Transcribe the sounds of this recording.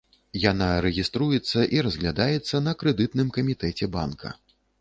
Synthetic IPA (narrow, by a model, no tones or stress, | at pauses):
janaɾɛɣʲist̪ɾujɛt̪sːɐʔiɾɐzɣlʲad̪ajɛt̪sːɐn̪ɐkɾɛd̪ɨt̪nɨmkɐmʲit̪ɛt͡sʲɛba̰nkʰɐ̰